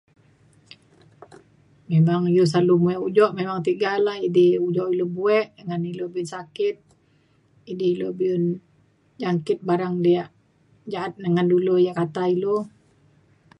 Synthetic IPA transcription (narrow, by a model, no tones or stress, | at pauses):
memaŋilos̬alumuɛʔud͡ʒɔʔmemaŋt̪iɡalahidehud͡ʒɔʔilobuɛʔdəŋanilobiunsakɪt̪̚ | idiilobiʊn | d͡ʒaŋkɪt̪̚baɾaŋdiaʔ | d͡ʒaat̪̚nəŋandulujakat̪ailo